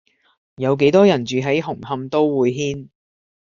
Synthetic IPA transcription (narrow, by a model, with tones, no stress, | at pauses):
jɐ˨˧wk̬e˨˥jt̪ɔː˥jɐ˨˩nt͡ʃyː˨˧ɦɐ˨˥jɦʊ˨˩ŋhɐ˧mt̪o˥wwuː˨˧jɦiː˥n